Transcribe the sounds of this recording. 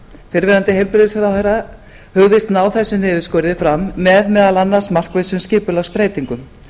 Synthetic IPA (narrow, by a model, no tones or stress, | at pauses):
fɪɾvɛːɾant̪ɪɦejlpɾɪðɪsaɾawhɛra | hʏɣvɪst̪naːwθɛsːʏnɪːðʏskɔːɾðɪfɾamːɛðmɛːðalanːaɾ̥smar̥kvesʏmscɪːpʏlaɣspɾeːjt̪iŋkʏm